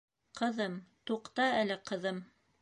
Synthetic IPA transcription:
qɤ̆ðɤmt̪uqt̪ɑælɘqɤ̆ðɤm

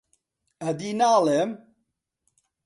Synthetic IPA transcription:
ɐd̪inaːlɛm

